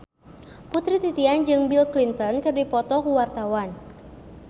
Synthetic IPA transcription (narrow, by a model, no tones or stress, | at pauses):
put̪ɾit̪it̪iand͡ʒɨŋbilklint̪ɔnkɨrdipɔt̪ɔkuwart̪awan